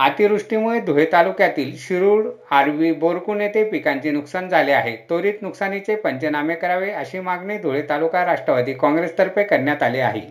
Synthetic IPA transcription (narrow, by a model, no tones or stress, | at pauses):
at̪iɾɾuʂʈimuɭed̪ʱoɭet̪alukjat̪iːlɕiɾuːɽaɾʋiboɾkunet̪epikãɲt͡senuksand͡zʱaleaɦet̪oɾiːt̪nuksanit͡sepəɲt͡ɕenamekəɾaʋeəɕiːmaɡɳed̪ʱoɭet̪alukaɾaʂʈɾəʋad̪iːkɔ̃ŋɡɾest̪əɾpekəɾɳjat̪alea̰ɦḭ